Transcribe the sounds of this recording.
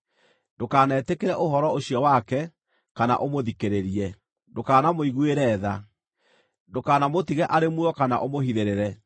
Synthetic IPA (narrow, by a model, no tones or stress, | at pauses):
dokaːnɛːtekeɾɛʔoɦɔɾɔoɕjɔwakɛ | kana̰ʔomoðikeɾeɾiɛ | dokaːnamoiɣweɾɛːða | dokaːnamotiɣɛʔaɾemuɔkana̰ʔomohiðeɾeɾɛ